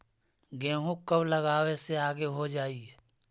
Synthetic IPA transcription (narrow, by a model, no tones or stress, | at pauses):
ɡɛ̃ːɦũkəbləɡaːweseaːɡeɦod͡ʒaːiɦɛː